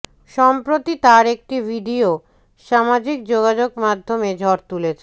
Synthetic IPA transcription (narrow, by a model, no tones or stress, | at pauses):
ʃɔmpɾot̪it̪aɾek̚ʈibʱiɖio | ʃamad͡ʑik̚d͡ʑoɡad͡ʑoɡmad̪ʱːomed͡ʑʱɔɾt̪ulet͡ɕʰe